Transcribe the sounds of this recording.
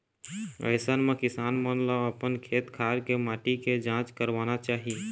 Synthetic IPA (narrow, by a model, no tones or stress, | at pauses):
ə̰ɪsənmẽkɪsaːnmənləəpənkʰeːt̪kʰaːɾkemaːʈiked͡ʒãːt͡ʃkəɾʋaːnat͡ʃaːɦi